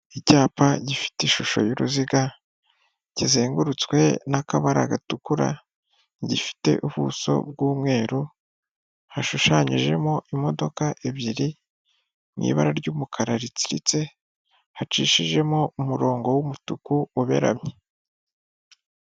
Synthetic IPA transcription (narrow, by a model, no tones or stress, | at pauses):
icaːpaɟifi̥tiʃuʃo̞̰juɾuziɡa | ɟ̥izeːŋɡuɾut͡skwe̞̰nakaβaɾa̰ɡatukuɾa̰ | ɟifi̥te̞̰ʔuβṵːso̞̰b̚ɡuːmŋe̞ːɾu | haʃuʃaɲiʒe̞̰moʔimo̞do̞kaʔeβiɾi | mŋḭːβa̰ɾaɾɟuːmukʰaɾaɾit͡si̥ɾḭt͡se̞ | hat͡ʃiːʃiʒe̞moumuɾo̞ːŋɡo̞wumutukuuβe̞̰ɾa̰mɲe